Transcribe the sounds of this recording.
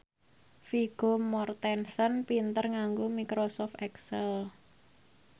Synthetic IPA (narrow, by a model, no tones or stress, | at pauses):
fiɡ̥o̤mɔrt̪ɛnsənpint̪ərŋaŋɡomikɾosɔft̪ɛksɛl